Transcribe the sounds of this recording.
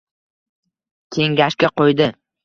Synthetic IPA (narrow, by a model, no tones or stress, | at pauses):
kʲʰe̞ŋɡʲaʃkʲaqʰojd̪ɪ